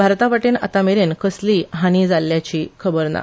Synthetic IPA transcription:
bʱaɾt̪aʋaʈena̰t̪ameɾenkʰəsliːɦañid͡zalːjat͡ɕiːkʰəbəɾna̰

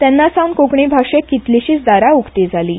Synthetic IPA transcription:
t̪janːasawnkokɳibʱaʂekːit̪liɕiːt͡sd̪aɾaukt̪ed͡zʱaliː

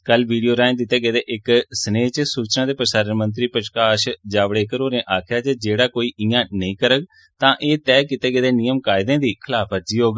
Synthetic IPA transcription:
kəlʋiːɖijoːɾãːnd̪ɪt̪eːɡeːd̪eːʔɪksəneːt͡ʃsuːt͡ʃnãːd̪eːpɾəsaːɾənmənt̪̬ɾiːpɾəʃkaːʃd͡ʒaːʋɽeːkəɾoːɾẽːʔaːkʰjaːt͡ʃed͡ʒeːɽaːkoːiːʔɪːãːnəĩːkəɾəɡ | t̪ãːʔeːt̪ɛːkɪt̪eːɡeːd̪eːniːjəmkaːɪd̪ẽːd̪iːkʰɪlaːpʰəd͡ʒiːɦoːɡ

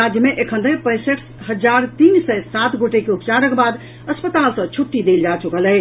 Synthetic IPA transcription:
ad͡ʒjəmeʔekʰənd̪əjpəjseks | ɦəd͡ʒaɾt̪insɛsat̪ɡoʈekeupt͡ʃaɾəkbad̪ | əspət̪alsə̃t͡ʃʰuʈːid̪eld͡ʒat͡ʃukəlɛ

